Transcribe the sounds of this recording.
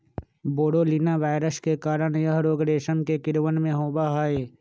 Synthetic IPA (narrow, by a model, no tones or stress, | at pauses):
boːɽoːliːnaʋaːɪɾəskekaːɾənjəɦɾoːɡɾeːʃənkekɪɾʋənmẽɦoːbaɦaeː